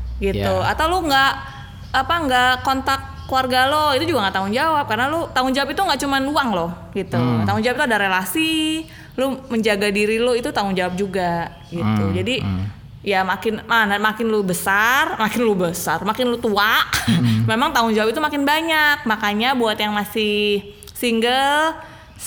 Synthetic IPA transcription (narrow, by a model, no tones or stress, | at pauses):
ɡit̪ua̰t̪awloŋɡaʔ | apaŋɡakɔnt̪akːluarɡaloit̪ud͡ʒuɡaŋɡaʔt̪aʊŋd͡ʒawap̚kaɾənalot̪aŋʊŋd͡ʒawapit̪uŋɡaʔt͡ʃumanuaŋloh | ɡit̪uŋaʔt̪aŋʊŋd͡ʒawap̚t̪uadaɾelasi | loməɲd͡ʒaɡadiɾiloit̪ut̪aŋʊŋd͡ʒawap̚d͡ʒuɡa | ɡit̪ud͡ʒadi | jamakɪnmanamakɪnlobəsarmakɪnlobəsarmakɪnlot̪uaʔmemaŋt̪aŋʊŋd͡ʒawap̚it̪umakɪnbaɲak̚makaɲabuat̪jaŋmasɪh | siŋɡəl